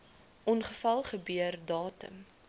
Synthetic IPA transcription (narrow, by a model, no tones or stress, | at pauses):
ʔɔnχəfɐlˠχəbyərdɑːtə̰m